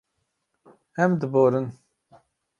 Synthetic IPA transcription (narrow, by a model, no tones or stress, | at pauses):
ɛmd̪ɨboːɾən